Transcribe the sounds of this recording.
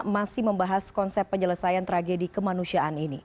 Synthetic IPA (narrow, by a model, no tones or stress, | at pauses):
masɪməmbaɦaskɔnsɛpːəɲələsajant̪ɾaɡedikəmanusiaʔanini